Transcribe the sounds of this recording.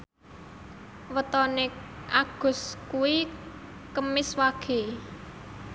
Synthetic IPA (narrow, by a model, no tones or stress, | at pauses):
wət̪ɔneʔaɡ̥ʊ̤skuwi | kəmɪswaɡ̥e